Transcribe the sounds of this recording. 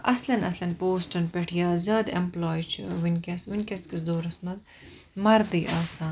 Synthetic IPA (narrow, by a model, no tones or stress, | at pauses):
ɐslɐnɐslɐnpoːsʈɐnpeʈʰijaːzʲɐːd̪ḛmploːjt͡ʃʰḭʋinʲkʲɐsʋinʲkɐskiszoːɾɐsmɐz | mɐɾd̪iːʔaːsaːn